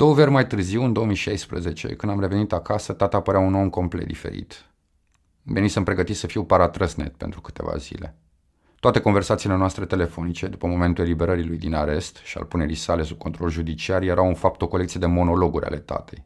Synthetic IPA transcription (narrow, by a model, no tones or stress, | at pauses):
d̪̥owəvʲərʲmajt̪ɨrziwɨnd̪o̞omiʃajspɾə̰ze̞t͡ʃe̞̰kɨnd̪amɾe̞ve̞nit̪akasət̪at̪aːpəɾeaunomko̞mplḛt̪d̪ifḛɾḭt̪ | venisəmpɾe̞ɡət̪isəfiwpaɾat̪ɾəsne̞̰t̪̚pe̞nt̪ɾukɨ̥t̪e̞va̰zḭle̞̰ | t̪oat̪e̞ko̞nve̞rsat̪sile̞noast̪ɾe̞t̪e̞le̞fo̞nit͡ʃe̞d̪upəmo̞me̞nt̪ule̞libe̞ɾəɾilujd̪inaɾe̞st̪ʃia̰lpune̞ɾijsale̞sub̚kʰo̞nt̪ɾo̞lʒud̪it͡ʃiarjeɾawunfap̚t̪o̞kole̞kt̪sije̞d̪emo̞no̞lo̞ɡuɾʲʔa̰le̞t̪a̰t̪ej